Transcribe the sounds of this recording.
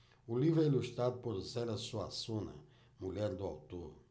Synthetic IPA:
ulivɾɛiluʃt̪ɾad̪ʊpoɾzɛlɐsuasõnɐ̰ | muʎɛɾd̪ʊa̰wt̪oɾ

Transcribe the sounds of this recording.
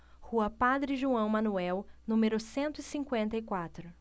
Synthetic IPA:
huɐpad̪ɾɪʒuɐ̃w̃mɐ̃nuɛwnũmeɾʊsẽnt̪ʊisĩŋkwẽnt̪ɐikwat̪ɾʊ

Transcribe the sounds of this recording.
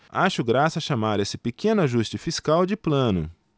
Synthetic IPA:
aʃʊɡɾasɐaʃamaɾesɪpekẽnʊaʒust͡ʃɪfiskawd͡ʒɪplɐ̃nʊ̰

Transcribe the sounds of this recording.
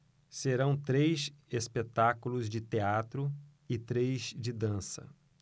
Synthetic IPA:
seɾɐ̃w̃t̪ɾejsespet̪akulʊzd͡ʒɪt̪eat̪ɾʊ | ɪt̪ɾejzd͡ʒɪd̪ɐ̃sɐ̰

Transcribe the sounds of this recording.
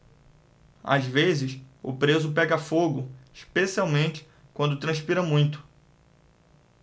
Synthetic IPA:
a̰zvezɪsʊ̰pɾezʊp̬ɛɡɐfoɡʊiʃpesiawmẽnt͡ʃɪ̥ | kwɐ̃nd̪ʊt̪ɾɐ̃ʃpiɾɐmũj̃t̪ʊ̥

